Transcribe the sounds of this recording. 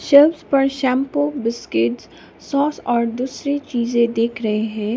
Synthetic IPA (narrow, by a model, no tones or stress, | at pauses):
ʃɛlbspɐɾʃɛ̃ːmpobɪskɪʈz | sɔːsɔːɾd̪uːsɾet͡ʃiːzẽd̪eːkʰɾɐɦeɦɛ̃ː